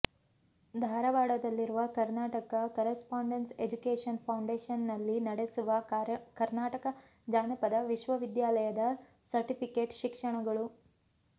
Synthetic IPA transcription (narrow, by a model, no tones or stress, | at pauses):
d̪ʱaːɾɐʋaːɽɐd̪ɐlːiɾuʋɐkɐɾnaːʈɐkɐkɐɾɐspaːɳɖensed͡ʒukeːʂɐnpʰɐwɳɖeːʂɐnːɐlːinɐɽesuʋɐkɐɾnaːʈɐkɐ | d͡ʒaːnɐpɐd̪ɐʋiʃʋɐʋid̪jaːlɐjɐd̪ɐ | sɐɾʈipʰikeːʈʃikʂɐɳɐɡɐɭu